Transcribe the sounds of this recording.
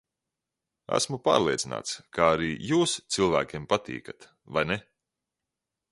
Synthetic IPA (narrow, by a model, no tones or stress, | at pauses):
æ̰smupa̰ːɾlˠiɛina̰ːt̪skaaɾiːjuːst̪sɨlˠvæ̰ːkʲeɛmpat̪ḭːkat̪ | vajnɛ